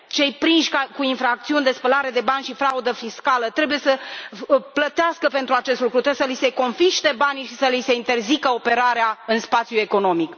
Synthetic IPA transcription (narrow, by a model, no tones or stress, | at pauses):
t͡ʃe̞jpɾinʃʲkakuiɱfɾak̚t̪siunʲd̪e̞spəlaɾe̞d̪e̞banʲʃifɾaud̪əfiskalət̪ɾe̞bujesə | plət̪easkəpe̞nt̪ɾuat͡ʃe̞st̪lukɾut̪ɾeesəlise̞ko̞nfiʃt̪e̞baniʃisəlise̞int̪e̞rzikəo̞pe̞ɾaɾeaɨnspat̪sjue̞ko̞no̞mik